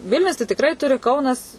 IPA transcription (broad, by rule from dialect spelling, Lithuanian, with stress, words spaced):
ˈʋʲɪlʲnʲʊs tɐɪ tʲɪkˈrɐɪ ˈtʊrʲɪ ˈkɐʊnɐs